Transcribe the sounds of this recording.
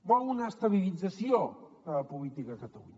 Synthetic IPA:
baunəːst̪əβ̞ilid͡zəsio | əəpulit̪ikəkət̪əlṵɲə

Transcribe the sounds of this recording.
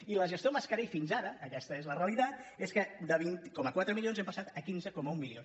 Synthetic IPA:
iləʒəst̪ioməskəɾɛjfinzaɾəːkɛst̪əezləreəlit̪at̪eskəd̪əβint̪ikɔməkwat̪ɾəmilionzɛmpəsat̪əkinzəkɔməumːilion

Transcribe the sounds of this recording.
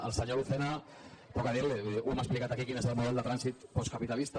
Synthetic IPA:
ə̰lˠsəɲouθena | kokaðiwleumaksplikat̪akikinezəlmuðɛlˠd̪ət̪ɾansit̪pɔskapit̪alist̪a

